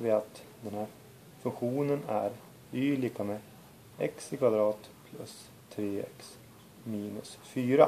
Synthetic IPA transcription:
vɪat̪ | d̪ɛnhæːɾ | fɵŋkɧuːnənæɾ | yːliːkame | ɛkskʰvad̪ɾɑːt̪pʰlɵ̰s | t̪ʰɾeːɛ̰ks | miːnɵsfyːɾa̰

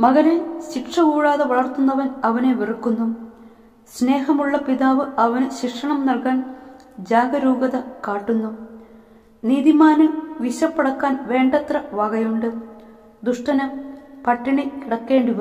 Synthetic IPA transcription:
mɐɣɐneɕikʂɐkuːɻaːðɐʋɐɭɐrt̪ːunːɐʋɐnɐʋɐneʋirukːunːu | sne̞ːɦɐmuɭːɐpiðaːʋɨɐʋɐnɨɕikʂɐɳɐmnɐlkaːn | d͡ʑaːɡɐɾuːɡɐðɐkaːʈːunːu | niːðimaːnɐʋiɕɐpːɐɽɐkːaːnʋe̞ːɳɖɐt̪rɐʋɐɡɐjuɳɖɨ | d̪uʂʈɐnɐpɐʈːiɳikiɽɐkːe̞ːɳɖiʋɐ

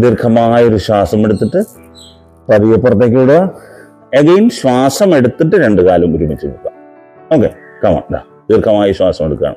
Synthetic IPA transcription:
d̪irkʰɐmaːjo̞ɾuɕwaːsɐme̞ɽut̪ːiʈːɨ | pɐðijɐpːurɐt̪ːeːk̬ʲːiɽua | eɡejnɕwaːsɐme̞ɽut̪ːiʈːɨɾe̞ɳɖɨkaːlɐmuɾumit͡ɕːuuk̪ːa̰ː | o̞ːkːḛ | kɐma̰d̪a̰ | d̪irkʰɐmaːjɐɕwaːsɐmeɽukːa̰ːɳɨ̰

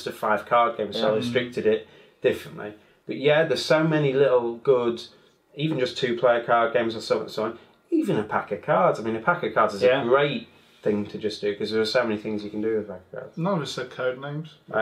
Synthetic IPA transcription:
stə̥faɪv̥kʰɑːɡẽɪ̃mzɹɪstɹ̥ɪk̚tɪdɪʔ | d̥ɪfɹə̃nʔli | b̥ʌʔjæðəz̥soʊmɛnilɪʔl̩ˠɡ̥ʊd | iːvə̃nd͡ʒʌstʰʉːpʰl̥eɪəkʰɑːɡẽɪ̃mzəsõʊ̃nn̩sʌ̃ɒ̃n | iːvə̃nəpʰakəkʰɑːdzaɪmĩnəpʰakəkʰɑːdzɪzəɡɹeɪʔ | θɪ̃ŋtʰəd͡ʒʌsd̥əkʰʌzðəɹəz̥soʊmɛniθɪ̃ŋzjəkʰə̃n̩dəwɪðəpʰakə̥kʰɑ̰ːd̥nəəsəkʰoʊdⁿnẽɪ̃mz̥

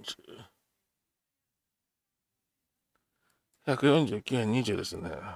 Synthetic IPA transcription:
çakɯ̟jõɲ̟d͡ʑɨːkʲɨːhẽ̞ɲ̟ːiʑɨːd̪e̞sɨnḛ

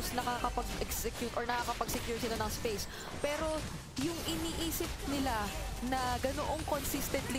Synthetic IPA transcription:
snɐkaːkɐpɐɡʔɛksɛkjʊt̪ʔoɹnɐkakɐpɐɡ̚sɛkjuɹsɪlɐnɐŋspejs | pɛːɾo̞ | jʊŋʔɪniːʔiːsɪp̚nɪlanɐɡɐnoʔoŋkonsist̪ɛnt̪lɪ

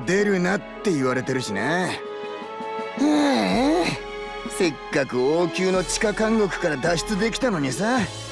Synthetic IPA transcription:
d̪e̞ɾɯ̟nat̪ːe̞iβaɾe̞t̪e̞ɾɯ̟ɕine | e | se̞kːakɯ̟oːkʲɨːno̞t͡ɕi̥kakãŋɡo̞kɯ̟̥kaɾad̪aɕi̥t͡sɨd̪e̞kʲi̥t̪ano̞ɲ̟isa

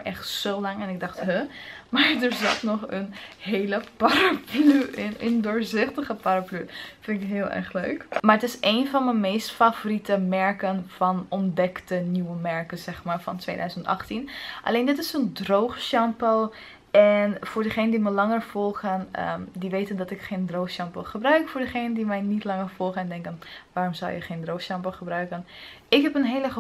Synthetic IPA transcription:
ʔɛχtsowlɑŋɛnɪɡ̚dɑχtɦəmaːɹdəɹzɑ̰tnɔχənɦejləpaɾaplyɪnəndʊɹzɪχtəχəpaɾaplyfɪnɪkɦɪːlˠɛ̰ɹχløɥkmaɹətɪsejnvɑnməmejstfavoritəmɛɹkənfɑnɔndɛktəniwəmɛɹkəz̥ɛχmaːɹfɑ̰ntʋḛjdœ̰ɥzəntɑ̰χtinʔa̰leːndɪtɪsəndrowχʃɑmpəl | ɛnfʊːɹdəχeːnəndiməlɑŋəɹv̥ɔlˠχənə̰diʋeːtəndɑtɪkχeːndrowxʃɑmpoχəbrœɥkfʊːɹdəχeːnəndimɛjnitlɑŋəɹfɔlˠχənɛndɛŋkənʋaːrɔmza̰wjə̰χeːndrowxʃɑmpoχəbrœɥkən | ɪkɦɛpənɦeːlə

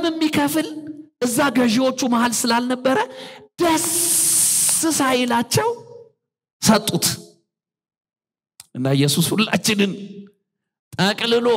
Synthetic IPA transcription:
mɨmːikʰəfɨlʔɨzːaɡəʒiwo̞t͡ʃːumahalsɨlalnəbːəɾəb̥əs | ɨsajɪlat͡ʃːɛw | sət̪ʼːut̪ | ʔɨnːajːɛsushulːa̰t͡ʃːɪnɨn | t̪ʼəkʼlɨlo

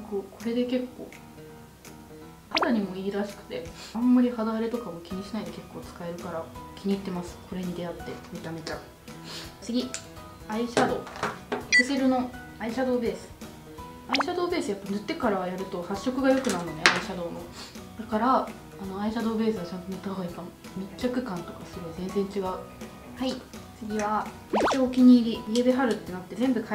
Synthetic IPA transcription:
kokʰo̞ɾe̞d̪e̞ke̞kːo̞̰ː | had̪aɲ̟imo̞iːɾaɕi̥kɯ̟̥t̪e̞ãmːaɾʲihad̪aɾe̞t̪o̞kamokʲiɲ̟iɕinaid̪e̞ke̞kːo̞ːt͡sɨ̥kae̞ɾɯ̟kaɾakʲʰiɲ̟iːt̪ːe̞masɨ̥kʰo̞ɾe̞ɲ̟id̪e̞at̪ːe̞̰met̪amet̪a | t͡sɨɡʲi | aiɕad̪o̞ːkeseɾɯno̞ | aiɕad̪o̞ːbe̞ːsɨ̥ | aiɕad̪o̞ːbe̞ːsɨjapːanɯ̟t̪ːe̞kaɾajaɾɯ̟t̪o̞haɕːo̞kɯ̟ɡajo̞kɯ̟naɾɯnone̞aiɕad̪o̞ːno̞d̪akaɾaː | no̞aiɕad̪o̞ːbe̞ːsɨɡat͡ɕãnt̪omit̪aβaikamo | mʲit͡ɕːakɯ̟kãnt̪o̞kasɨɾɯ̟βazẽ̞nd͡zẽ̞ɲt͡ɕiɡaɯ̟ | hait͡sɨɡʲiβa | it͡ɕoːkʲiɲ̟iːɾʲiiebeɦaɾɯ̟t̪ːe̞nat̪ːe̞zẽ̞mbɯ̟kʰa

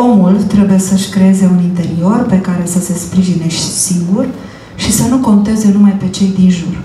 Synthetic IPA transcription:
o̞mult̪ɾe̞buje̞səʃʲkɾe̞e̞ze̞unint̪e̞ɾio̞rpe̞kaɾe̞səse̞spɾiʒine̞ʃt̪ʲsiŋɡur | ʃisənuko̞nt̪e̞ze̞numajpe̞t͡ʃe̞jd̪inʒur

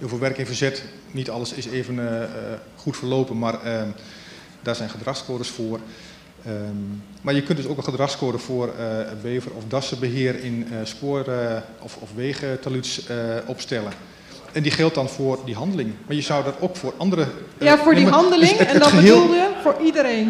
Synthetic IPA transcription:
hiːfeːlˠʋɛrkɪnfərzɛt | nitɑləsɪseːvən | χutfərloːpənmarə | daːsɛjnχədraxskoːdəsfoər | marjəkøntdøsoːkəχədraxskoːdəfoərbeːvərɔfdɔsəbəɦɪəɾɪnspoər | ɔfɔfʋeːɣətalytsɔpstɛlən | ɛndiχɛlˠt̚dɔnfʊərdiɦɑndəlɪŋmaɹjəzɔwdɔtoːkfoːrɑndəɾəjafʊːniɦɑndəlɪŋɛədɔəəeːlˠlˠjəfʊːɹidəɾen

